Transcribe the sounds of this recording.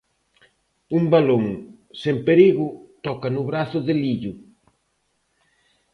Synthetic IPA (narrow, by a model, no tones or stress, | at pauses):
umbaloŋ | sempeɾiɣʊt̪ɔkanʊβɾaθʊðeliʎʊ